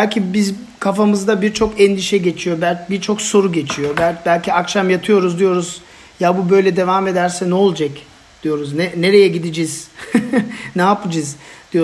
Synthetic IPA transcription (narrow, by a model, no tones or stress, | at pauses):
ælʲcʰibiz | kʰafamɯzd̪abiɾt͡ʃʰo̞kɛnd̪iʃɛɟe̞t͡ʃʰijo̞bælʲbiɾt͡ʃʰo̞kso̞ɾuɟe̞t͡ʃʰijo̞bælʲbælʲcʰiakʃamjat̪ʰɯjo̞ɾuzd̪ijo̞ɾuz | jabubø̞jlʲɛd̪e̞vaːme̞d̪æɾsɛnɛolˠd͡ʒac | d̪̥ijo̞ɾuznɛne̞ɾe̞jɛɟid̪id͡ʒiz̥ | nɛːpɯd͡ʒɯzd̪̥ijo